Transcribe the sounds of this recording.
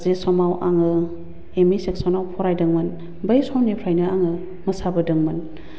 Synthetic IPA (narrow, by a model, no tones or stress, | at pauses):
zesɔmawʔaŋɯ | emiseksɔnawpʰɔɾajdɐŋmɯn | bɐjsɔwnipʰɾajnɯaŋɯ | mɐsabɯdɯŋmɐn